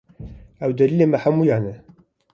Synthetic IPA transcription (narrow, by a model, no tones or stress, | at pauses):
æwd̪ɐliːleːmɛħamuːjaːnɛ